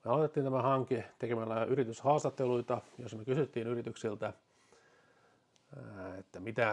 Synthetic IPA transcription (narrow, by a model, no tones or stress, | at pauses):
meɑlot̪et̪ːiːnt̪æmæhɑŋkit̪ekemælːæyrit̪yshɑːst̪ɑt̪ːeluit̪ɑjosmekysyt̪ːiːnyrit̪yksilt̪æ | et̪ːæmit̪æ